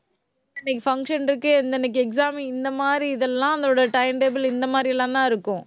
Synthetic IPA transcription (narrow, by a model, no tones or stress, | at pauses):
nːɛkːɯfɐŋkʂɐnɪɾɯkːɯɛnd̪ɛnːɐk̬ːɯɛksaːmiɪnd̪ɐmaːd̪ɾiɪðɛlːãːɐnd̪oːɽɐʈɐɪmʈeːbɐlɪnd̪ɐmaːd̪ɾiɛlːãːt̪ãːɪɾɯkːʊ̃